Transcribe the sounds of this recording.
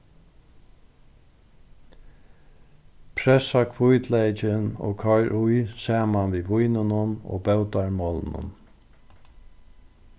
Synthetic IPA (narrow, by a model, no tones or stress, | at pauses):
pʰɾɛsakʰvʊjt̪lɛt͡ʃɪno̰ːkʰɔjɾʔʊjsaːmanʋiːʋujnɪnʊno̰ːbɛwt̪aɹmɔːlnʊ̰n